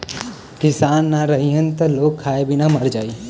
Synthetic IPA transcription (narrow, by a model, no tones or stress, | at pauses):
kɪsaːnːaɾəɦiɦənt̪əloːkʰːaːebʱinaməɾd͡ʒaːiː